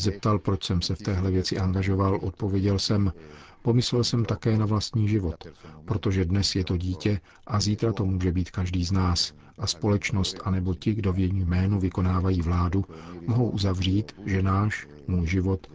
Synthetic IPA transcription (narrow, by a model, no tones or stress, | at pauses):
zɛp̚t̪alpɾot͡ʃsɛmsɛft̪ɛːɦlɛvjɛt͡sɪʔaŋɡaʒo̞valʔo̞t̪̚po̞vjɛɟɛlsɛmpo̞mɪslɛlsɛmt̪akɛːnavlast̪ɲiːʒɪvot̪pɾo̞t̪o̞ʒɛdnɛsjɛt̪o̞ɟiːcɛ | ʔaziːt̪ɾat̪o̞muːʒɛbiːt̪kaʒdiːznaːs | ʔaspo̞lɛt͡ʃno̞st̪ʔanɛbo̞cɪɡdo̞vjɛjijmɛːnuvɪko̞naːvajiːvlaːdumoɦo̞wʔuzavr̝iːt̪ʒɛnaːʃ | muːjʒɪvo̞t̪